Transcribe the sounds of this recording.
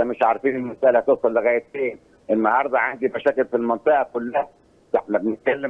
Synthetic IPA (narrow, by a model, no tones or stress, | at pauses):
æmeʃʕɑɾˤɑfiːnelmæsʔælhæt̪eʔsˤɑlːeɣæjt̪eːn | ʔenːɑhɑɾˤd̪ˤɑʕand̪imæʃæːkɪlfilmɑnt̪ˤeʔɑkʊlːæhæ | t̪ɑħnæbenɪt̪̚kælːe